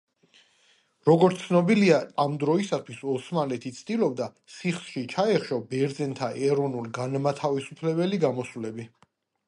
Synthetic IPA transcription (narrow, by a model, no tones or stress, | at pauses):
ɾɔɡɔɾt̪sʰnɔbiliaːmd̪ɾɔisat̪ʰwisɔsmalɛt̪ʰit̪sʰd̪ilɔbd̪a | sʰiχsʃit͡ʃʰaɛχʃɔbɛɾd̪zɛnt̪ʰaʔɛɾɔnulɡanmat̪ʰavisupʰlɛbɛliɡamɔsvlɛbi